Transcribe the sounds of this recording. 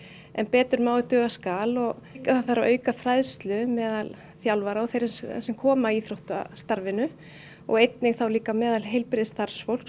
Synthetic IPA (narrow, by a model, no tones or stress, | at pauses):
ɛnpɛːt̪ʏɾmaːwðɪt̪œːɣaskaːlɔɣkaθawθaɾavʔœːɥkafɾajðst̪lʏmɛːðal | θjawlvaɾaɔθejɾsɛmkʰɔːmaiθɾowht̪a̰st̪aɾvɪnʏ | ɔ̰ɣejt̪nɪɣθawliːkamɛːðalɦejlpɾɪðɪst̪aɾ̥sfowl̥k